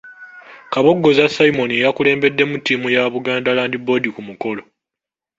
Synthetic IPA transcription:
kaβo̞ɡːo̞zasaimo̞niejakule̞ːmbe̞dːe̞mutːiːmujaβuɡaːndalaːndibo̞dikumuko̞lo̞

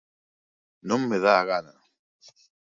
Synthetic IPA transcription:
nõŋmeðaːɣana

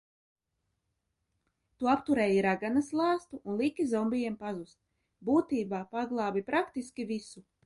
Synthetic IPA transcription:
t̪uapt̪uɾɛːjiɾaɡanaslˠɑːst̪uʔunlˠikʲizɔmbijɛmpazust̪ | buːt̪iːbaːpaɡlˠɑːbipɾakt̪iskʲivisu

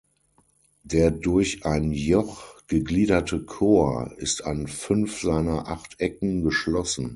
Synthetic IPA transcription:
deːɐdʊɐçʔaɪnjɔχɡ̥əɡliːdɐtʰəkʰoːɐɪsta̰nfʏnfz̥aɪnɐʔaχtʰʔɛkŋ̩ɡəʃlɔsn̩

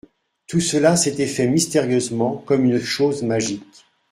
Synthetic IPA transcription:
t̪usəlaset̪ɛfɛmist̪eʁjøzmɑ̃kɔmynʃozmaʒik

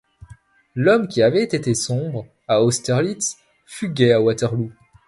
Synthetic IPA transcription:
lɔmkʲiavɛt̪et̪esɔ̃bʁ | aɔst̪ɛʁlit̪s | fyɡʲɛawat̪ɛʁlu

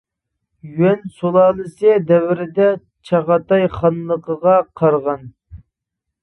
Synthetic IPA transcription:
jyɛnsolˠɑːlˠɨsɨd̪ɛwɪɾɪd̪ɛ | t͡ʃʰɑʁɑt̪ɑjχɑnlˠəqəʁɑqʰɑɾʁɑn

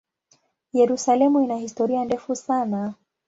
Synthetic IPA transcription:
jɛɾusalɛmuinahistɔɾiandɛfusana

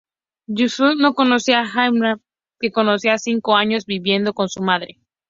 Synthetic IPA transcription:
d͡ʒusuno̞ko̞nosiaxajmɾa | keko̞nosiasiŋko̞aɲo̞zβiβje̞nd̪o̞ko̞nsumaðɾe

